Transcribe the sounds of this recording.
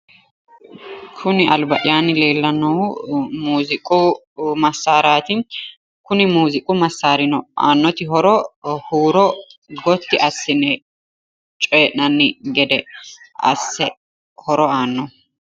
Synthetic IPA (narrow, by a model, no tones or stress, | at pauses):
kʰʊnɪʔɐlbɐʔɪjaːnɪle̞ːlːɐnːɔwmuːzɪkʼʊ | mɐsːaːɾaːt̪ɪ | kʊnɪmuːzɪkʼʊmɐsːaːɾɪnɔʔa̰ːnːɔt̪ɪɦɔɾɔhuːɾɔɡɔt̪ːɪʔɐsːɪnɛ | t͡ʃʼeːʔnɐnːɪɡɛd̪ɛɐ̰sːɛ | hɔɾɔaːnːɔ